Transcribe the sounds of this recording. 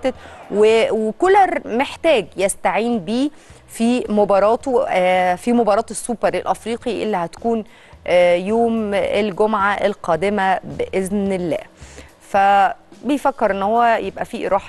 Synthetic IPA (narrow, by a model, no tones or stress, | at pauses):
t̪et̪wewekolɑɾmeħt̪æːɡjæst̪aʕiːnbiː | fiːmobɑːɾˤɑːt̪ofimobɑːɾˤɑːt̪esːuːpɑɾˤelʔæfɾiːqiʔḛlːihæt̪æ̥kuːnː | joːmelɡomʕaʔelqɑːd̪emæbeʔeznelːæ̰ː | fæbejfækːeɾʔenːhowːæjebʔæfiʔɾˤʔɑːħ